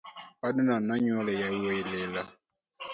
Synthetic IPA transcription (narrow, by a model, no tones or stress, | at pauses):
adunanaɲalɛjaeilɛla